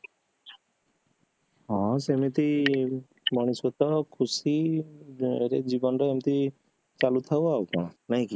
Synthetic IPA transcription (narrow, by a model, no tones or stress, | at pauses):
ɦɔ̃semit̪i | bɔɽ̃iswɔt̪ɔkʰusi | ɾed͡ʒibɔnɔɾeemit̪i | t͡ʃalut̪ʰawaukɔɽ̃ɔ̃naɦĩki